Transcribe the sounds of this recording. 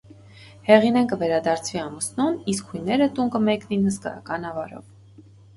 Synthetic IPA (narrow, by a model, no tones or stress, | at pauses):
hɛʁinɛnkəvɛɾɑd̪ɑɾt͡sʰviɑmusnuniskhujnɛɾət̪uŋkəmɛkninhəskɑ̰jɑ̰kɑnɑvɑɾɔ̰v